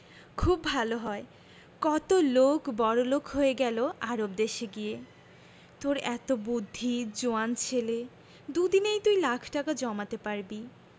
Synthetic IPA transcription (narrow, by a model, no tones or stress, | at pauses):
kʰubbʱaloɦɔe | kɔt̪olokbɔɾolokɦoeɡɛloʔaɾob̚d̪eʃeɡie | t̪oɾɛ̰t̪obud̪ʱːid͡ʑoant͡ɕʰele | d̪ud̪inejt̪ujlakʰʈakad͡ʑɔmat̪epaɾbi